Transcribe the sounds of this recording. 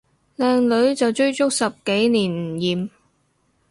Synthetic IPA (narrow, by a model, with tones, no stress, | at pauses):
lɛː˨˧ŋlɵ˨˥ɥt͡sɐ˨wt͡ʃɵ˥ɥt͡sʊ˥k̚sɐ˨p̚ke˨˥jniː˨˩nm̩˨˩jiː˨m